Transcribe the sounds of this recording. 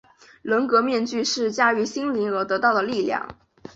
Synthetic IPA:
lə˧˥nkɤ˧˥mjɛ˥˧nt͡ɕy˥˧ʂɻ̩˥˩t͡ɕja˥y˧˥ɕi˥ŋli˧˥ŋɤ˧˥t̪ɤ˧˥t̪ɑ˥˩ʊd̪ə˩li˥˧ljɑ̰˥˩ŋ

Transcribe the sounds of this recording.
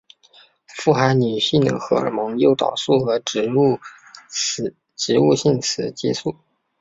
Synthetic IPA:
fu˥˩xa˧˥ɪny˨˩ɕi˥˩ŋd̪ə̰˧˩xɤ˧˥ə̰˧˩mɤ˧˥ŋjo˥˩ʊt̪ɑ̰˨˩ʊsu˥˩xɤ˧˥˧ | ʈ͡ʂɻ̩˧˥u˥˧ɕi˥˩ŋt͡sʰɹ̩˨˩˦t͡ɕɛ̰˥su˥˩

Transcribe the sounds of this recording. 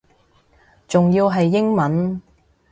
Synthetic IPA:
t͡sʊ˨ŋjiː˧wɦɐ˨jːɪ˥ŋmɐ˨˥n

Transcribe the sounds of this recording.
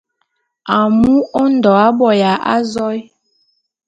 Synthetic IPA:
a˨mu˦ɔ˦n̩˨dɔ˨a˦bɔ˨ja˨ʔa̰˦zɔ˦j

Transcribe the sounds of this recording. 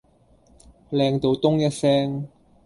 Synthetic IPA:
lɛː˧ŋt̪o˨˧wt̪ʊ˥ŋjɐ˥t̚sɛː˥ŋ

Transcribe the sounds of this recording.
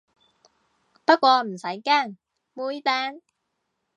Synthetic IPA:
pɐ˥t̚kʷɔː˧m̩˨˩sɐ˨˥jkaː˥˩ŋ | muː˧˥jt̪aː˥ŋ

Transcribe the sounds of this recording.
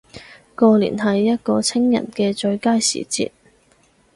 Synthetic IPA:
kɔː˧liː˨˩nɦɐ˨jːɐ˥t̚kɔː˧t͡sʰɪ˥ŋjɐ̰˨˩nkɛː˧t͡ʃɵ˧ɥkaː˥jsḭː˨˩t͡sḭː˧t̚

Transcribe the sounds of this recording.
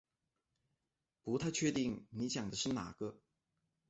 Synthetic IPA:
pu˧˥t̪ʰa˥˧t͡ɕʰɥɛ˥˧t̪i˥˩ŋni˧˥t͡ɕjɑ˨˩ŋd̪ə˦ʂɻ̩˥˩na̰˨˩ɡ̥ə˧

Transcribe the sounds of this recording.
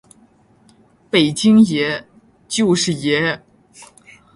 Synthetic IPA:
pe˨˩ɪt͡ɕi˥ŋjɛ˧˥ | t͡ɕjo˥˧ʊʂɻ̩˥˩jɛ˧˥

